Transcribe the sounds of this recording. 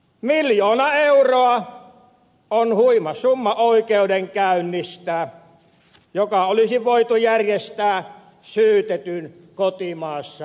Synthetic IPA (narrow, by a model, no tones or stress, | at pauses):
miljoːnɑeuroɑ | onhuimɑsumːɑoˑikeudeŋkæˑynːist̪æ | jokɑolisiʋoit̪ujærjest̪æː | syːt̪et̪yn | kot̪imɑːsːɑ